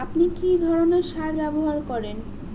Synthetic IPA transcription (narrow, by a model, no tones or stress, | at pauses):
apnikid̪ʱɔɾoneɾʃaɾbɛboɦaɾkɔɾen